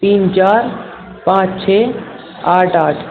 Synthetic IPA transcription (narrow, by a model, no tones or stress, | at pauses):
t̪iːnt͡ʃaːɾ | pãːt͡ʃt͡ʃʰe | aːʈaːʈʰ